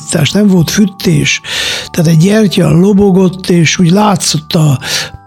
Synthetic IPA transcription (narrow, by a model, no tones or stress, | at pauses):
t̪ːa̰ːʃnɛɱvo̞lt̪fyt̪ʰːeːʃt̪aːt̪ɛɟːɛrcɒ̰loboɡo̞t̪ːeːʃuːɟlaːt̪so̞t̪ːɒ